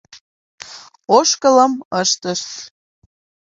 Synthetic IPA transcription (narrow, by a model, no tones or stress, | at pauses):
oʃkələməʃt̪əʃ